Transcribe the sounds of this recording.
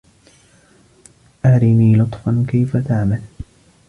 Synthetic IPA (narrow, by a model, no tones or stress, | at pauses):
ʔaːɾiniːlʊt̪ˤfɑnkajfat̪aʕmal